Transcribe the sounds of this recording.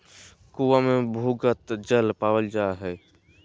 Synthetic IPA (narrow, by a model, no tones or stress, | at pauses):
kuʋamẽbʱuːɡət̪d͡ʒəlpaːwəld͡ʒaːɦɛː